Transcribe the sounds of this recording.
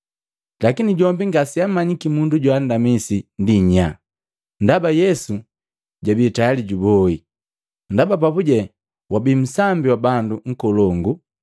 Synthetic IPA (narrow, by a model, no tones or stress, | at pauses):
lakiniɟɔmbiŋɡasiamaɲikimunduɟwaːndamisindiɲa | ndabajɛsu | ɟabitajaliɟubɔi | ndabap̬apuɟɛ | wabim̩sambiwabanduŋ̩kɔlɔŋɡu